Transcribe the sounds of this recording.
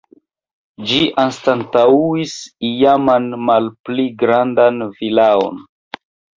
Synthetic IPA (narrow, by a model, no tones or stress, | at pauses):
d͡ʒiʔanstantauisijamanmalpliɡɾandanvilao̰n